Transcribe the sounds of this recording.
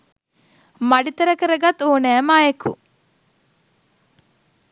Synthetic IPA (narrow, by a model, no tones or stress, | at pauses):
mɐɖit̪ɐɾɐkəɾəɡɐt̪oːnæːmaːjekṵ